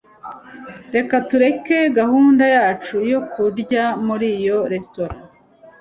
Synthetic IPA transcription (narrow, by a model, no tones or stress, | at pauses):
ɾe̞katuɾe̞ke̞ɡahuːndajaːt͡ʃujo̞kuɾɟamuɾijo̞ɾe̞sto̞ɾã